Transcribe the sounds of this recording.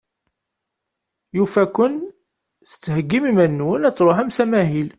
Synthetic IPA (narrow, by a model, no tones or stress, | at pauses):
jufækʷːʊn | θə̥t͡sːhəɡːimimænːwənæt͡sːɾˤoɦæmsæmæɦil